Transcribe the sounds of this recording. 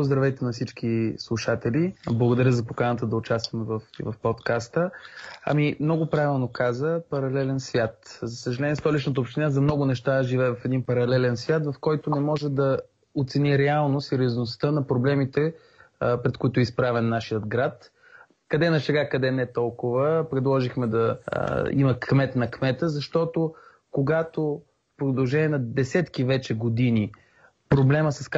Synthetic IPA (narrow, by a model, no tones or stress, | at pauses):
pozd̪ɾɐvɛjt̪ɛnɐfsit͡ʃk̟islˠuʃat̪ɛliblˠəɡod̪ɐɾʲjəzɐpokanət̪əd̪ɐʊt͡ʃast̪vɐmɛvɐfḭvɐfpot̪kast̪əɐ̰mimnɔɡʊpɾavilˠnokazəpɐɾɐlɛlɛnsvʲjat̪zɐsəʒɐlɛniɛst̪ɔlit͡ʃnət̪̬əoːpʃt̪inazɐmnɔɡʊnɛʃt̪aʒivɛɛvɐfɛd̪inpɐɾɐlɛlɛnsvʲjat̪vɐfkɔjt̪onɛmɔʒɛd̪ɐ | ot̪sɛniɾɛalˠnosɛɾʲjoznost̪ənɐpɾoblɛmit̪ɛ | pɾɛt̪koit̪ʊɛispɾavɛnːaʃijəd̪ɡɾat̪ | kɐd̪ɛnɐsɛɡakɐd̪ɛnɛt̪ɔlˠkʊvəpɾɛd̪lˠɔʒixmɛd̪ɐ̰ | ḭmɐkʰmɛt̪nɐkmɛt̪əzɐʃt̪ɔt̪o | koɡat̪o | fpɾod̪ɐlˠʒɛnʲiɛnɐd̪ɛsɛt̪kivɛt͡ʃɛɡod̪ini | pɾoblɛməsɐsk